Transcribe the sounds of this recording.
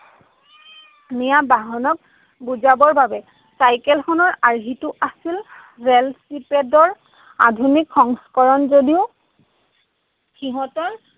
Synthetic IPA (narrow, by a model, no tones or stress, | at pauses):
nijabaɦɔnɔk̚ | buzabɔɹbabɛ | sajkɛlxɔnɔɹaɹɦitʊʔasil | ɹelsipedɔɹ | a̰dʱunikxɔŋskɔɹɔnzodiʊ | xiɦɔtɔɹ